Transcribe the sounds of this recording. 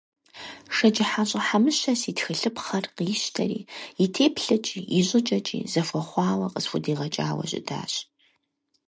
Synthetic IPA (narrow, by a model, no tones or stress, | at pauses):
ʂɐt͡ʃɪħaɕʼɐħamɨɕɐsitxɨɬɨpχɐrqiːʃtʰɐ̰ɾḭːitʰeːpʰɬɐt͡ʃʼiːiʑʼɪt͡ʃʼɐt͡ʃʼḭːzɐfʷɔχʷɑːwɐqəsfʷʊdiːʁɐt͡ʃʼa̰ːwɐ̰ɕʼɪ̰da̰ːɕ